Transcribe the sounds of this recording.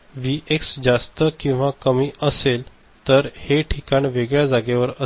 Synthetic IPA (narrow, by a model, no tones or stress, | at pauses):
ʋiʔeksd͡zast̪əkĩw̃ʋakəmiːəsel | t̪əɾheʈʰikaɳʋeɡɭjad͡zaɡeʋəɾə